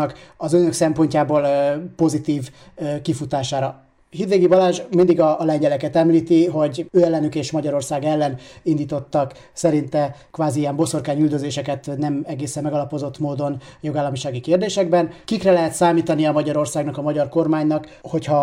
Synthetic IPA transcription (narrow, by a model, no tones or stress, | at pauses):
ɒkɒzønø̞ksɛmpo̞ɲcaːboːlpo̞zit̪iːv | kifut̪aːʃaːɾɒ | hid̪ʋeːɡibɒlaːʒmind̪iɡɒlɛɲɟɛlɛkɛt̪ɛmliːt̪iɦo̞ɟøːɛlːɛnykeːʃmɒɟɒɾo̞rsaːɡɛlːɛnind̪iːt̪ot̪ːɒk | sɛɾint̪ɛkʋaːziiɛmbo̞so̞rkaːɲyld̪øzeːʃɛkɛt̪nɛmɛɡeːsɛmːɛɡɒlɒpo̞zo̞t̪ːmoːd̪o̞njoɡaːlːɒmiʃaːɡikeːrd̪eːʃɛɡ̚bɛnkikrɛlɛɦɛt̪saːmiːt̪ɒniɒmɒɟɒɾo̞rsaːɡnɒkɒmɒɟɒrko̞rmaːɲnɒkho̞chɒ